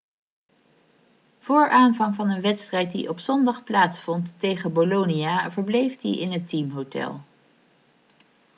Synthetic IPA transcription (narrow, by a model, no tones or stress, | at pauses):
v̥ʊːɹaːnvɑŋvɑnənʋɛtstrɛjt̚dḭʔɔpsɔndɑχplaːtsfɔntːejχənbolonijaːvəɹblejfdḭɪnɦətimɦowtɛ̰lˠ